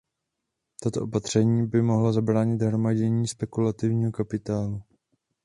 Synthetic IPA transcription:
t̪at̪oʔopat̪r̝̥ɛɲiːbɪmo̞ɦlazabɾaːɲɪd̪ɦɾo̞maɟɛɲiːspɛkulat̪ɪvɲiːɦokapɪt̪aːlu

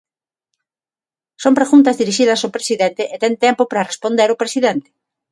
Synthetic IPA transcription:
sompɾeɣunt̪ɐzðiɾiʃiðɐsopɾesiðent̪ɪʔet̪ɛnt̪ɛmpʊpɾɐrespond̪eɾʊpɾesiðent̪ɪ̥

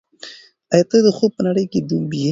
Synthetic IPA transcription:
ajat̪ed̪əxopənaɽəjked̪umbije

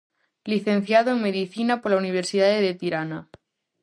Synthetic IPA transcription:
liθẽn̟θjaðoeŋmeðiθinapoɾlauniβ̞eɾsiðaðeðet̪iɾana

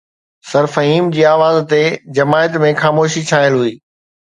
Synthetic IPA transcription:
sɐɾfɐɦiːmd͡ʑiːaːʋaːzt̪ed͡ʑɐmaːɪət̪mẽxaːmoːʃit͡ɕʰaːəlɦuiː

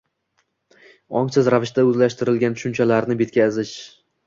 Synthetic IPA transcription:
ɒŋsɪzɾavɪʃt̪aɵzlaʃt̪ɪɾɪlɡʲant̪ʰʊ̥ʃʊnt͡ʃʰalaɾnɪbe̞t̪̚ʲkʲʰazɪʃ

